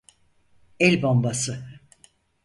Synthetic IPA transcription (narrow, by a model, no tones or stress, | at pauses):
ɛlʲbombasɯ